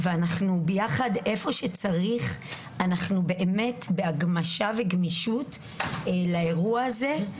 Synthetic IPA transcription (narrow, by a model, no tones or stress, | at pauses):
veanaχnubejaχade̞fo̞ʃet͡saʁiχ | anaχnube̞ʔeme̞tbeaɡmaʃave̞ɡmiʃutː | lae̞ʁuaːze̞